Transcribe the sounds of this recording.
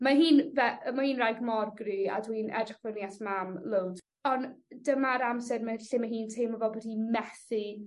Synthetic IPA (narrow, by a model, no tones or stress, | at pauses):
maɦiːnvɛmahiːnrajɡmɔrɡria̰dwiiːnʔɛ̰drɪχv̥ənjasmamlowd | ɔndəmaɾamsɛrməɬimaɦiːntʰemɔvɛbɔdimɛθi